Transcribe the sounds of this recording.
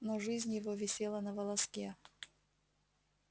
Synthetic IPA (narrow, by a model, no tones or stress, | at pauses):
noʐɨzʲnʲjɪvovʲɪsʲelˠənəvəlˠɐskʲe